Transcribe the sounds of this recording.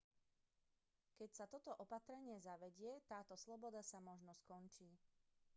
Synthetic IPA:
kɛcsat̪ɔt̪ɔʔɔpat̪ɾɛɲɪɛzaʋɛɟɪɛt̪aːt̪ɔslɔbɔd̪asamɔʒnɔskɔnt͡ʃiː

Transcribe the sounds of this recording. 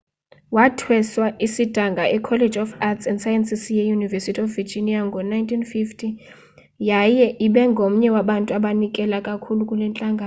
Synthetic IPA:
watʰwɛswaʔisid̥ʱaŋɡʱaʔɛkʰɔled͡ʒɔfatsɛndsajɛnsisjɛjunivɛsitʰiɔfvid͡ʒiniaŋɡʱɔnajntʰinfiftʰi | jajɛʔiɓɛŋɡʱom̩ɲɛwaɓantʼuaɓanikʼɛlakʼakʰulukʼulɛnt͡ɬʼaŋɡʱaː

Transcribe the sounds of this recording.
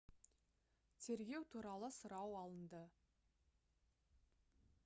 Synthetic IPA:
t̪ʰe̞ɾɡʲe̞wt̪ʰuɾɑlˠəsəɾɑwɑlˠənd̪ə

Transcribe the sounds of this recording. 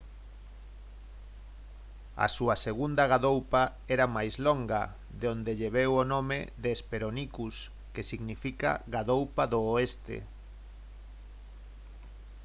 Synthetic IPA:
ɐ̰suɐseɣund̪ɐɣaðowpa | ɛɾamajzloŋɡɐ̰ | ðeond̪eʎeβewonõmḛðeːspeɾonikus | kesiɣnifika̰ɣaðowpaðoːest̪ḛ

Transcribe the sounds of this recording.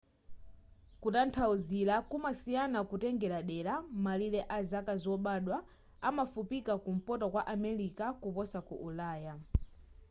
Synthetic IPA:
kutantʰauzilakumasijanakutɛŋɡɛɾaɗɛɾamalilɛʔazakazwɔɓaɗwa | amafupikakum̩pɔtɔkwaʔamɛɾikakupɔsakuʔulaːja

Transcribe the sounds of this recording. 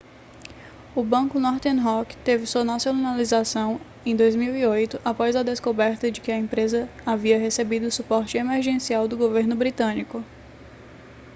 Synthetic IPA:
ʊbɐ̃kʊnɔɾt̪ẽnɦɔkt̪evɪsuɐnasjolnalizasɐ̃w̃ | ẽj̃d̪ojzmiwiojt̪ʊʔapɔzɐd̪eskobɛɾt̪ɐd͡ʒɪkɪɐẽpɾezɐaviɐɦesebid̪ʊʊsupɔɾt͡ʃɪemeɾʒẽsiawd̪ʊɡoveɾnʊbɾit̪ɐ̃nikʊ

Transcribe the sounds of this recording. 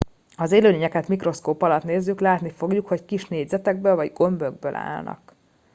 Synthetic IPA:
ɒzeːløːleːɲɛkɛt̪mikro̞skoːpɒlɒt̪neːzːyklaːt̪nifo̞ɡjukho̞ckiʃneːɟzɛt̪ɛɡ̚bøːlvɒɟɡo̞mbøɡ̚bølʔa̰ːlnɒ̰k

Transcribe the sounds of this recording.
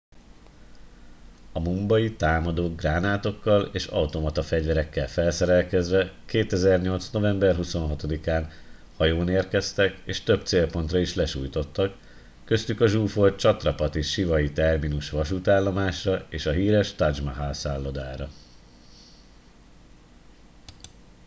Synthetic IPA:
ɒmumbɒjit̪aːmɒd̪oːɡ̚raːnaːt̪o̞kːɒleːʃɒwt̪o̞mɒt̪ɒfɛɟvɛɾɛkːɛlfɛlsɛɾɛlkɛzʋɛkeːt̪ɛzɛrɲo̞lt̪sno̞vɛmbɛrɦuso̞nɦɒt̪o̞d̪ikaːn | hɒjoːneːrkɛst̪ɛkeːʃt̪ø̞bt̪seːlpo̞n̪t̪rɒiʃlɛʃuːjt̪o̞t̪ːɒkː | ø̞st̪ykɒʒuːfo̞rt͡ʃɒt̪rɒpɒt̪iʃivɒjit̪ɛrminuʃʋɒʃut̪aːlːo̞maːʃrɒeːʃɒɦiːɾɛʃt̪ɒd͡ʒmɒɦaːlsaːlːo̞d̪aːɾɒ

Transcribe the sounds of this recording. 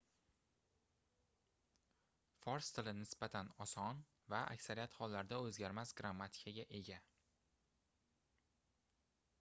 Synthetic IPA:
fɒɾst̪ʰɪlɪnɪsbat̪ʰanɒsɒn | vaʔa̰kʲsaɾijat̪hɒlːaɾd̪aɵzɡʲaɾmasɡɾamːat̪ʰɪ̥kʰaɡʲaʔe̞ɡʲa

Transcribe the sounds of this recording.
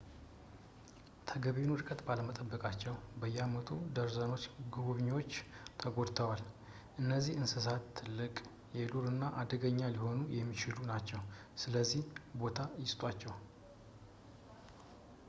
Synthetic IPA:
t̪ʰəɡəβenwɨɾkʼət̪baləmət̪ʼəbːəkʼat͡ʃːɛwbəjːamət̪ʰud̪əɾzəno̞t͡ʃːɡuβuβɲːwo̞t͡ʃːt̪ʰəɡo̞d̪t̪ʰəwal | ʔɨnːəzːihɨnsɨs̬at̪ʰːɨlːɨkʼ | jɛluɾɨnːaʔad̪əɡəɲːaliho̞nujɛmːit͡ʃɪlunat͡ʃːɛw | sɨləzːihbo̞t̪ʰajɪst̪ʼat͡ʃːɛw

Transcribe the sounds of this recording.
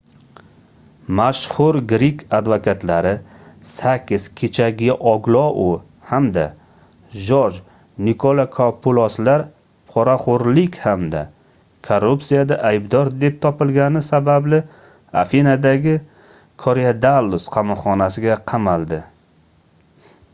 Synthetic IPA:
maʃhʊɾɡɾikʲʰad̪vakʰat̪ʰlaɾɪsakʲʰːɪz̥kʲʰe̞t͡ʃʰaɡʲɪʔɒɡlˠɒʔʊ | hamd̪a̰ | ʒɒʒ | nɪkʰolˠakʰopʰʊlˠɒslaɾ | pʰɒɾaχʊɾlɪkʲhamd̪a̰ | kʰorupsijad̪aʔajbd̪ɒɾd̪e̞p̚t̪ʰɒpɪlɡʲanɪsabablɪ | a̰finad̪aɡʲɪ | kʰoɾead̪alːʊsqʰɑmɒχɒnasɪɡʲaqʰɑmalˠd̪ɪ

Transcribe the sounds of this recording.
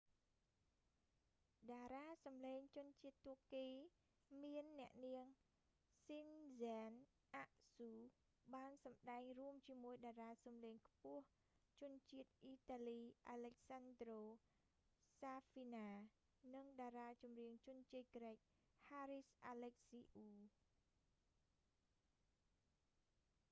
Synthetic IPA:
ɗaːɾaːsɑmleːŋt͡ɕʊ̆ənt͡ɕiət̪ːuəkkiː | miənːɛ̆əʔniəŋ | sinzaːn | ʔaʔsuː | ɓaːnsɑmɗaɛŋruəmt͡ɕiəmuəjɗaːraːsɑmleːŋkʰpʊ̆əh | t͡ɕʊ̆ənt͡ɕiət̪̚ʔiːt̪aːliːʔalɛk̚sand̪roː | saːfiːnaː | nɨŋɗaːɾaːt͡ɕumriəŋt͡ɕʊ̆ənt͡ɕiət̪̚kɾɛːk̚ | haːɾisʔaːlɛk̚siːʔuː

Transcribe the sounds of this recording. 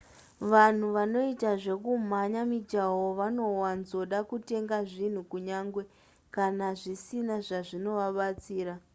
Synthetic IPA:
ʋan̤uʋano̞itaʐe̞kum̤aɲamid͡ʒaɦoʋano̞wanzo̞ɗakute̞ŋɡaʐin̤ukuɲaːŋɡwe̞ | kanaʐisinaʐaʐino̞ʋaɓat͡siːɾa

